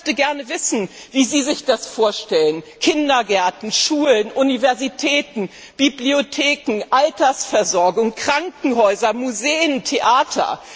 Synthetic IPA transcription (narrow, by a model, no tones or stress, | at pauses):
çtəɡɛɐnəvɪsn̩viːziːzɪçd̥asfoːɐʃtɛlənkʰɪndɐɡɛɐtn̩ʃuːlənʔunivɛɐzitʰɛːtn̩ | b̥ibliotʰeːkŋ̩ʔaltɐsfɛɐzɔɐɡʊŋkʁ̥aŋkŋ̩ɦɔʏzɐmuzeːəntʰeʔaːtʰɐ̰